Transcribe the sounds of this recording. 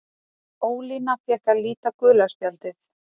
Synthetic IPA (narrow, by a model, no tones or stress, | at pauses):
oːwliːnafjɛhkaliːt̪akʏːlaspjalt̪ɪθ